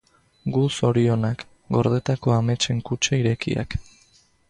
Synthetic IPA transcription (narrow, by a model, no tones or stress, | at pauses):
ɡuso̞ɾio̞nak | ɡo̞ɾð̞e̞t̪ako̞ame̞t͡ʃe̞ŋkut͡ʃaiɾe̞kḭa̰k